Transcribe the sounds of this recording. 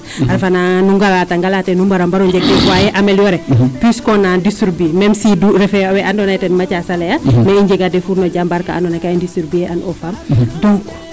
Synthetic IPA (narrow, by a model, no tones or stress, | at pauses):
aɾfananuŋɡalataŋɡalatɛnumbaɾambaɾuɲɟɛɡɛwajɛʔamɛljɔɾɛpiskɔnandisɾubimɛmsiduɾɛfɛwɛʔandɔnatɛnmat͡ʃasalɛjamɛiɲɟɛɡadɛfuɾnɔɟambaɾka̰a̰ndɔnakaɛndisuɾbiɛʔanʔɔfamduŋkɔ̥